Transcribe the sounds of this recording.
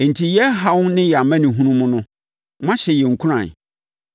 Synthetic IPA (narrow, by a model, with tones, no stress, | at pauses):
n̩˨tʰi˨jɛ˦ɦa˨wʊ̃˦nnɪ̃˦ja˨mã˦nĩ˨ɦũ˦nũ˦mʊ̃˦nʊ̃˦ | mã˦ɕɛ˨jɛ˨ŋ̩˨kʰu˦ɾã̰˨n